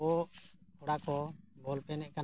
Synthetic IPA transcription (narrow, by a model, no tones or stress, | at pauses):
ɔhɔɽakɔɡʱɔlpɛnɛʔ̚kan